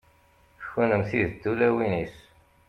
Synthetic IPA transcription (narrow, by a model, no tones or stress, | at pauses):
çunəmθiðd̪ːulæwinis